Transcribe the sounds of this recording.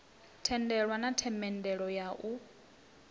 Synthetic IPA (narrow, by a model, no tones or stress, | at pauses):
tʰɛndɛɺwanatʰɛmɛndɛɺɔjaʔu